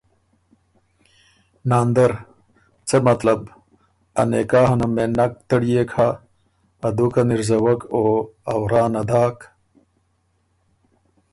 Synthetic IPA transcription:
naːnd̪ɐɾ | t͡semɐt̪lɐb | ɐ̰nekaːɦɐnɐmenɐk̚t̪ɐɽijekʰaː | d̪ukɐniɾzɐwɐkoɐwɾaːnɐd̪aːk

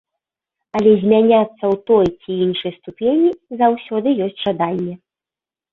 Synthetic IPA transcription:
ɐlʲɛzʲmʲanʲat̪sːɐwt̪ɔjt͡sʲiinʂɨjst̪upʲenʲizawsʲɔd̪ɨjɔsʲt͡sʲʐad̪anʲːɛ

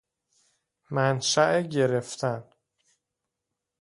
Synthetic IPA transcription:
mænʃæʔeɟe̞ɾeft̪ʰæn

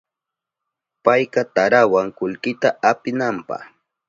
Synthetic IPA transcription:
pajqɑt̪aɾawaŋkʊʎkɪt̪aapɪnampɑ̰χ

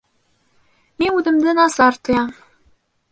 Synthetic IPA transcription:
minʉðɘ̆md̪ɘnɑsɑɾt̪ɤ̆jɑm

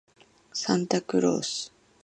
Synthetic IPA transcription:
sãnt̪akɯ̟ɾo̰ːsɨ̥

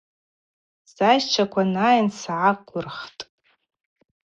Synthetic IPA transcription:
sajt͡ʃʷʰakʷʰanaːjnsʕaqʷʼʊrχtʼ

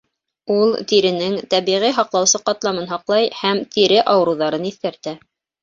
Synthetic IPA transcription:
ulˠt̪iɾɘ̆nɘŋt̪æβiʁiɦɑqlˠɑwsɤqɑt̪lˠɑmɤnɦɑqlˠɑjhæmt̪iɾɘʔɑw̆ɾŭwðɑɾɤniθkæɾt̪æ

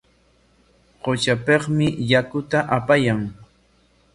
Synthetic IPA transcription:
qot͡ʃapeχmɪjakʊt̪aʔapajaŋ

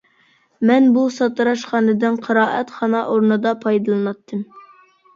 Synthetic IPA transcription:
mɛnbusɑt̪ɨɾɑʃχɑːnɨd̪ɨnqʰɑɾɑːʔɛt̪χɑnɑʔoɾnɨd̪ɑpʰɑjd̪ɨlˠɨnɑt̪ʰːɨm

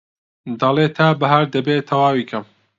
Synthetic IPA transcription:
d̪ɐlˠeːt̪ʰaːbɐɦaɾd̪ɐbeːt̪ʰɐwaːwiːkʰɐm

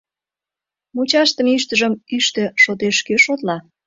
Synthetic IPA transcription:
mut͡ɕɑʃt̪ə̆myʃt̪əʒəmyʃt̪ĕʃot̪̬eʃkøʃot̪lɑ

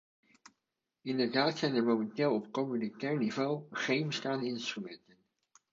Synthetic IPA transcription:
ɪndəɹdaːtsɛjnəɹmomɛntɪːlˠɔpkomynitɛːɹnivowˠχejnbəstaːndəɪnstrymɛntən

